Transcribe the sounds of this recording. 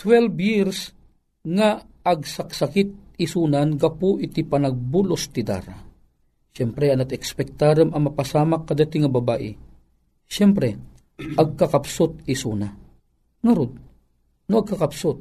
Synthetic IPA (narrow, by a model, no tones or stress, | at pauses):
t̪wɛlbjiɾs | ŋaːɡsɐksɐkɪt̪̚ | ɪsuːnanɡɐpuʔɪt̪ipɐnɐɡ̚bulost̪ɪd̪a̰ːɾa̰ | ʃɛmpɾɛɐnɐt̪ɛkspɛk̚t̪aːɾɐmɐmɐpasaːmakːɐd̪at̪ɪŋɐbɐbaːʔɪ | ʃɛmpɾɛ | ʔɐɡ̚kɐkapsʊt̪ɪsuːna | ŋɐɾod̪̚ | noɐɡ̚kɐkɐpsot̪̚